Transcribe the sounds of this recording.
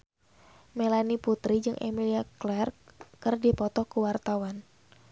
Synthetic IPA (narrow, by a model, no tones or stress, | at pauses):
melaniput̪ɾid͡ʒɨŋʔḛmiliaklɛrkɨrdipɔt̪ɔkuwart̪awan